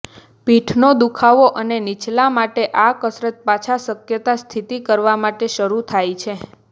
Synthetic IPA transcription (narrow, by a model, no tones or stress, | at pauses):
piʈʰnod̪ukʰaʋoʔənenit͡ʃlamaʈeʔakəsɾət̪̚pat͡ʃʰasəkjət̪ast̪ʰit̪ikəɾʋamaʈeʃəɾut̪ʰajt͡ʃʰe